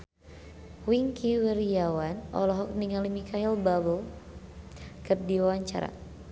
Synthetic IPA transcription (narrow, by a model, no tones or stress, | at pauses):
wiŋkʰiwəɾiawanɔ̰lɔɦɔk̚niŋalimikʰailbabəl | kərdiwawaɲt͡ʃa̰ɾa̰